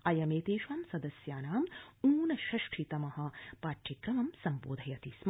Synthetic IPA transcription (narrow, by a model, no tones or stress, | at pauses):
ɐjɐmeːt̪eːʃʋaːmsɐd̪ɐsjaːnaːmuːnɐʃɐʂʈʰit̪ɐmɐɦɐ̆paːʈʃikɾɐmɐmsɐmpo̰ːd̪ʱɐjɐt̪ism